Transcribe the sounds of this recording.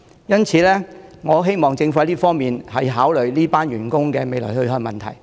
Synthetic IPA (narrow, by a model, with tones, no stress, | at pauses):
jɐ˥nt͡sʰiː˨˧lɛː˥ŋɔː˨˧ɦe˥jmɔː˨ŋt͡sɪ˧ŋfjli˥fɔː˥ŋmiː˨nhɐ˨jɦaː˨˥wlɵ˨˩ɥliː˥paː˥nɥyː˨˩nkʊ˥ŋkɛː˧me˨˧jlɔ̰ː˨˩hɵ˧hœː˧ŋmɐ̰˨nt̪ʰɐ̰˨˩j